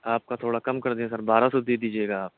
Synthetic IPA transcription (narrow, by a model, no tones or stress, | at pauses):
aːp̚kat̪ʰoːɽakɐmkɐɾd̪ẽsɐɾbaːɾasod̪id̪iːd͡ʒieːɡaːp̚